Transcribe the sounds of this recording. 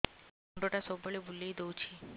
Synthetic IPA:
oɳɖoʈasobəɭebʱulejd̪owt͡ɕʰi

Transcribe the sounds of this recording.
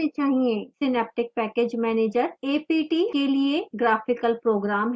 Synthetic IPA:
et͡ʃaːɦiẽsɪnɛːp̚ʈɪk̚pɛːkeːd͡ʒmɛːneːd͡ʒəɾeːpiːʈiːkelieɡɾaːfʰɪkəlpɾoːɡɾaːmɦ

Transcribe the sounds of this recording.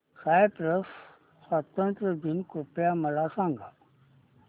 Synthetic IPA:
saːjpɾəs | sat̪ə̃nt̪ɾəd̪inkupjamɐlasãːŋɡa

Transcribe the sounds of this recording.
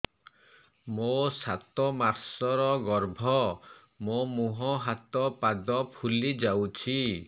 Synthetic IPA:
mosat̪ɔmaɾsɔɾɔɡɔɾbʱɔ | momuɦɔɦat̪ɔpad̪ɔpʰulid͡ʒawt͡ʃʰi

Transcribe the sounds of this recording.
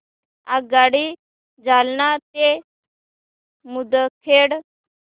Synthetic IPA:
aɡaɽi | d͡zalnat̪e | mud̪əkʰeɽ

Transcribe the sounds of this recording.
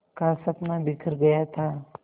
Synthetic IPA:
kasɐpnabikʰəɾɡəjat̪ʰa

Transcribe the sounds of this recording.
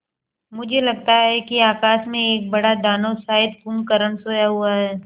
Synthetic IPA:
mʊd͡ʒʱelɐɡt̪aɦɛkiaːkaːʃmẽeːk̚bɐɽad̪aːnosaːɪd̪̚pumkəɾənsoːjaɦuaɦɛː

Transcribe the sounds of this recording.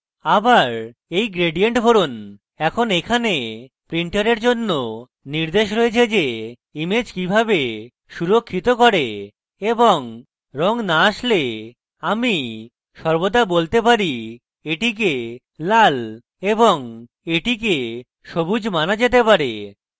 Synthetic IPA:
abaɾejɡɾeɖieɳʈbʱoɾon | ɛkʰonekʰane | pɾiɳʈaɾeɾd͡ʑonːo | niɾd̪eʃɾoet͡ɕʰed͡ʑe | imed͡ʑkibʱabe | ʃuɾokʰːit̪okoɾe | eboŋ | ɾɔŋnaaʃle | ami | ʃɔɾbod̪abolt̪epaɾi | eʈik̬e | lal | eboŋ | eʈik̬e | ʃobud͡ʑmanad͡ʑet̪epaɾe

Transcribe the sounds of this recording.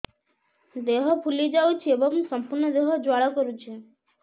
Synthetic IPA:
d̪eɦɔpʰulid͡ʒawt͡ʃʰiebɔŋsɔmpuɾnɔd̪eɦɔd͡ʒwaɽɔkɔɾut͡ʃʰe

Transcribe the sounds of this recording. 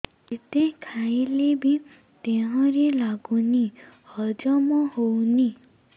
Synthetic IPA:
et̪ekʰajilebi | t̪eɦɔ̃ɾelaɡunihʌd͡ʒʌmɔhowni

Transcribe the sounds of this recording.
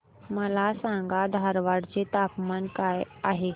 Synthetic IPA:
məlasãŋɡad̪ʱaɾʋaɽt͡set̪apmankajaɦe

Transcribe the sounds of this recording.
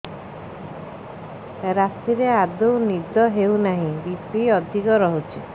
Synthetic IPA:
ɾasiɾead̪ownid͡ʒɔɦeunaɦĩbispiɔd̪ʱikɔɾɔɦut͡ʃʰi

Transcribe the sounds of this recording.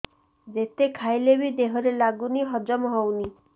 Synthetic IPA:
d͡ʒet̪ekʰajlebid̪eɦɔɾelaɡuniɦɔd͡ʒɔmɔɦɔwni

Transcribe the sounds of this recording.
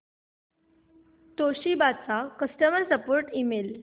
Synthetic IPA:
t̪oɕibat͡sakəsʈəməɾsəpoɾʈimel

